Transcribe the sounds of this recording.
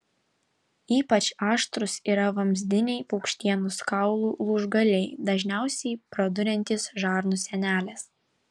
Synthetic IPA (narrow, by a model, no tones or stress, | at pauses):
iːpɐt͡ʃɑːʃt̪ɾʊsiːɾɐʋɐmʲzʲd̪ʲɪnʲɛɪpɔʊkʃʲt̪ʲiɛnʊskɐʊlˠuːlˠuʒɡɐlʲɛɪd̪ɐʒʲnʲæˑʊsʲɛɪpɾɐd̪ʊɾʲɛnʲt̪ʲɪsʒɑːɾnʊsʲɛnʲæːlʲɛs